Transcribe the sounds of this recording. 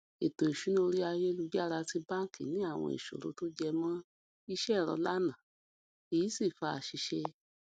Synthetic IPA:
e˨to˨i˨ʃu˨˦n˦o˧ɾi˦a˧je˦˧lu˧d͡ʒa˦ɾa˧ti˧bã˦ŋ˨kḭ˨nĩ˨˦a˦˨w̃ɔ̰̃˧ḭ˨ʃo̰˨ɾo̰˨˦to˦d͡ʒɛ˧mã˦ | i˦ʃɛ˦˨ɾɔ̰˧la˦nã˨ | i˨ji˨˦si˦˨fa˧a˨ʃi˧ʃɛ˧

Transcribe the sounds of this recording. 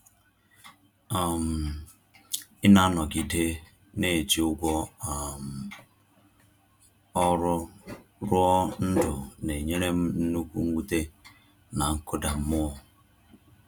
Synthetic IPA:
a˨m̩˨ | ɪ˦na˦nɔ˨ɡi˨de˦ | ne˦˨d͡ʒi˨ʊ˦ɡʷɔ˦˨m˨ | ɔ˦ɾʊ˦ | ɾʊ˦ɔ˦n̩˦dʊ˨ne˨ɲe˦ɾe˦m̩˦n̩˦nu˦kʷṵ˦ŋ̩˦ɡʷu˦te˦ | na˨ŋ̩˦kʰʊ˦da˨m̩˦mʊ˦ɔ˨

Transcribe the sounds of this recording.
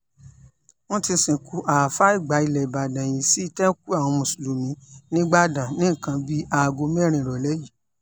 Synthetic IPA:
w̃ɔ̃˦ti˧sĩ˨ku˨˦ʔa˨fa˦i˦˨ɡ͡ba˨˦i˧˨lɛ˨ba˨dã˨j̃ĩ˨˧˦si˦˧˦tɛ˦ku˦a˦˨w̃ɔ̃˧mũ˨su˨lu˨mĩ˨˦nĩ˦ɡ͡ba˦dã˨nĩ˨˦˨kã˧bi˦a˧˨ɡo˧mɛ˦˨ɾ̃ĩ˧˨ɾɔ˨lɛ˨˦ji˦˨

